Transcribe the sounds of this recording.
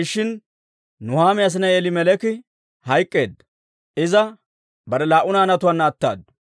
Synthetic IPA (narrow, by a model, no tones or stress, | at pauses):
ɪʃːɪnː | ʊhaːmɪjas̬ɪnɐeːlɪmɛlɛkɪ | hɐjkʼːe̞ːd̪ɐ | ʔɪzɐ | bɐɾɛlaːʔʊnaːnɐt̪ʊwaːnːɐːt̪ːa̰ːd̪